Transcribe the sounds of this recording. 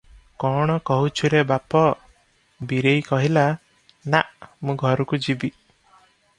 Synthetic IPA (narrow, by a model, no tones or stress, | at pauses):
kɔɽ̃ɔkɔɦut͡ʃʰuɾebapɔ | biɾejkɔɦila | naʔmũɡʱɔɾukud͡ʒibi